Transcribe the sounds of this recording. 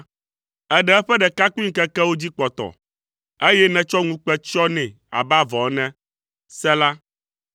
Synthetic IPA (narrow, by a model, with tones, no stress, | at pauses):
ɛ˦ɖɛ˦ɛ˦ɸɛ˦ɖɛ˨ka˦ku˦i˦ŋ̩˦kɛ˦kɛ˦wo˦d͡ʑi˦k͡pɔ˨t̪ɔ̰˨ | e˦jɛ˦nɛ̃˨t͡ʃɔ˦ŋũ˦k͡pɛ˦t͡ʃɔ˦nɛ̃˨ | a̰˨ba˦vɔ˨˦nɛ̃˦ | sɛ˦la˦